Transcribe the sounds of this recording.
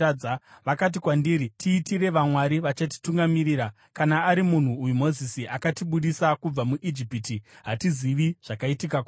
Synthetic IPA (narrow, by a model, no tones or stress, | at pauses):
aʋakat̬ikwandiɾitʰiːtire̞ʋamwaɾiʋat͡ʃat̬i̥tuŋɡamiriːɾa | kanaːɾimun̤uːjumo̞zisiʔakatiɓuɗisakub͡vamuʔid͡ʒipitiɦatiziʋiʐ̥akaitikak